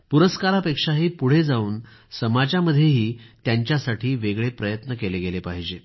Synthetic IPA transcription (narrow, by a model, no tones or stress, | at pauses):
puɾəskaɾapekʂaɦiːpuɽ̤ed͡zauːn | səmad͡ʑaməd̪ʱːjeɦiːt̪jaɲt͡ɕjasaʈʰiːʋeɡɭepɾəjət̪nəkeleɡelepaɦid͡ʑe